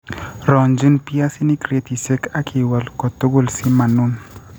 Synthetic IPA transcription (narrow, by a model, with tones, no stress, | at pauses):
ɾɔ˨nd͡ʒi˦npi˦a˦si˦ni˦kɾe˦t̪i˨se˦ka˦kʰi˨wa˨lkɔ˨t̪o˦ɡo˦˨lsi˦ma˨nu˦n